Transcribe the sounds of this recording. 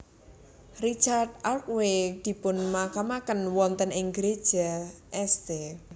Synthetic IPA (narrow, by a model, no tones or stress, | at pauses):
rit͡ʃard̚ʔalk̚wed̪̥i̤pʊnmakamakənwɔnt̪ənɪŋɡɾed̥ʒ̥aʔɛst̪e